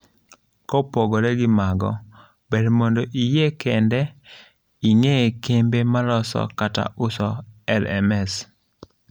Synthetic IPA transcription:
kɔpoɡoɾɛɡɪmaɡɔ̰ | bɛdmondoʔijekɛndɛ | iŋekembemaɾɔsɔ̰kata̰ʔʊsɔɛlɛ̰mɛs

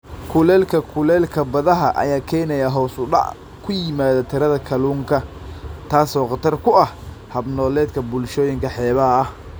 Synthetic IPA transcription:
kʰʊlɛːlkʰɐkʰʊlɛːlkʰɐbɐðɐɦɐʔɐ̰jaːkʰɛjnɛjaɦɔːsʊɖɑ̰ʕ | kʰʊjɪmaːðɐt̪ʰɪɾɐðɐkʰɐluːŋkʰɐ | t̪ʰaːsɔːqɑt̪ʰɐrkʰʊɐh | hɐbnɔːlɛːd̪kʰɐbʊlʃɔːjɪŋkʰɐħɛːβɐɦɐɐh

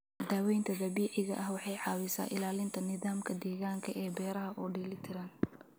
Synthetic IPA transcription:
d̪aːwɛjnt̪ʰɐd̪ɐbiːʕɪɣɐ̰ʔɐhwɑħɑjʕɑːwɪsa̰ːʔɪlaːlɪnt̪ʰɐnɪðaːmkʰɐd̪ɛːɣaːŋkʰɐʔɛːbɛːɾɐɦɐʔɔːɖiːlɪt̪ʰɪɾɐn

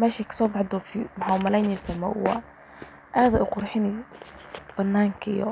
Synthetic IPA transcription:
mɛːʃɛkʰɐ̥sɔːbɑħd̪ɔfimħamɐlɛjnɛsamɐ̰ʊ̰wɑ̰ | ʔaːðɐʊqʊrħɪnɪ | b̥ɐnːaːŋkʰɐijɔ̰

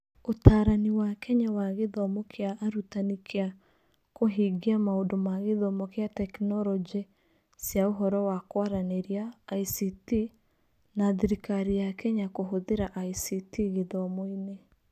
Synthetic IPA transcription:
otaːɾaniwakɛɲawaɣeðɔmokʰeaʔːɾutanikʰea | koɦiɡiamaondomaɣeðɔmɔkeatɛknɔɾɔd͡ʒe | sjaoɦɔɾɔwakwaɾaneɾiaːisiti | naðiɾikaɾijakɛɲakoɦoðeɾaʔaisitiɣeðɔmoine

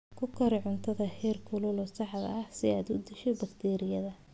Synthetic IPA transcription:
kʰʊkʰɐɾɛʕʊnt̪ʰɐðɐhɛːrkʰʊlʊlɔːsɑħd̪ɐ̰ɐhsɪaːd̪ʊd̪ɪʃɛbɐkt̪ʰɛːɾɪjɐðɐ

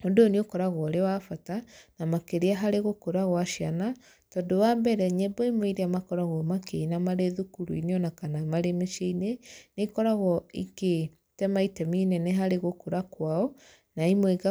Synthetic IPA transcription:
odooniokɔɾaɣwɔɾewafatanamakeɾeaɦaɾeɣokoɾaɣwaʃiana | tɔndowambɛɾɛɲɛbɔimwiɾeamakɔɾaɣɔmakʰeinamaɾeðukuɾuḭneɔnakanamaɾemeʃeinenekɔɾaɣɔḭke | tɛmaitɛminɛneɦaɾeɣokoɾakwaɔ | naimweɡa

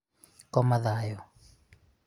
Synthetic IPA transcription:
kɔmaðajɔ

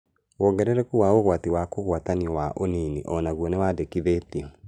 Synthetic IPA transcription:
wɔːŋɡɛɾɛɾɛkuwaoɣwatiwakoɣwataniɔwaʔoniniʔɔnaɣwɔnewadekiðeːtiɔ

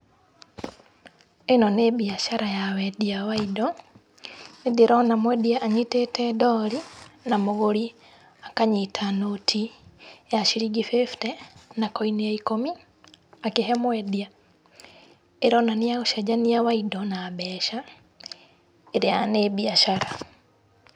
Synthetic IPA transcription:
enɔnebiaʃaɾajawɛdiawaidɔ | niðeɾɔnamwɛdiaʔːɲitetɛdɔɾinamoɣoɾi | akaɲitʰanotʰijaʃiɾiɡifeftɛnakɔiniaikomi | akeɦɛmwɛdia | eɾɔnaniaɣoʃad͡ʒaniawaidɔnaβɛʃa | eɾeanebiaʃaɾa

